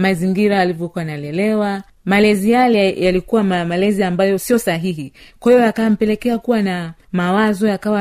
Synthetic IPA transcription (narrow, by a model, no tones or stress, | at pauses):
maziŋɡiɾaːlivjɔkuanalɛlɛwa | malɛzijalɛjalikuwamamalɛziambajɔsijɔsaɦiɦikwahijɔakam̩pɛlɛkɛakuwanamawazɔjakawa